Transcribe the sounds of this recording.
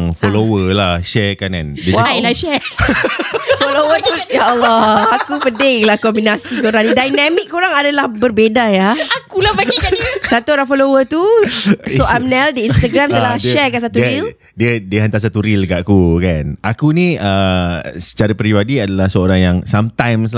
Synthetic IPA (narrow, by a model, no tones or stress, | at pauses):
ŋfolowəlahʃɛkankandiəwaalaʃɛ | folowət̪ujaalːɔakupədɪŋlahkɔmbinasikoɾaŋnidajnãmikːoɾaŋadalahbərbedajaakulahbaɡikasat̪uoɾaŋfolowət̪usoʔamnɛldiinst̪aɡɾamt̪əlaʃɛkansat̪uil | diədiəɦant̪as̬at̪uɾilkaʔkukanʔakunĩəsə̥t͡ʃaɾapɾibadiadalahsəoɾaŋjaŋsamt̪ajms̬